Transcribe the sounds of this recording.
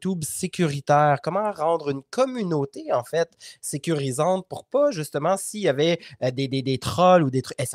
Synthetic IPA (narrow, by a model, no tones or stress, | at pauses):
t̪ubsekʲyʁit̪ɛːʁkɔmɑ̃ʁɑ̃d̪ʁynkʰɔmynot̪eɑ̃fɛt̪sekʲyʁizɑ̃t̪̚puʁpaʒyst̪əmɑ̃sijavɛd̪ed̪ed̪et̪χɔlud̪et̪χykɛs